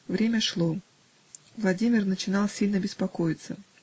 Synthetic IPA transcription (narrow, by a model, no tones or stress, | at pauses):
vɾʲemʲəʂlˠo | vlˠɐdʲimʲɪrnət͡ɕɪnɑlˠsʲilʲnəbʲɪspɐkojɪt̪sə